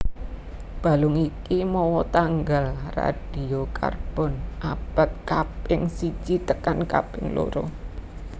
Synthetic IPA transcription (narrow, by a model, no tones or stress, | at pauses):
b̥a̤lʊŋikimɔwɔt̪aŋɡalra̰ɖ̥i̤oka̰rb̥ɔnʔab̥a̤t̪̚kapɪŋsi̥t͡ʃit̪əkanka̰pɪ̰ŋlo̰ɾo̰